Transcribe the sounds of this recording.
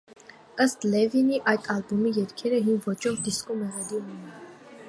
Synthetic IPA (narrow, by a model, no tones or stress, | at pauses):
əst̪lɛviniʔɑjt̪ʰɑlbumijɛɾkʰɛɾəɦimvɔt͡ʃʰɔvd̪iskɔmɛʁɛlinɛnɛn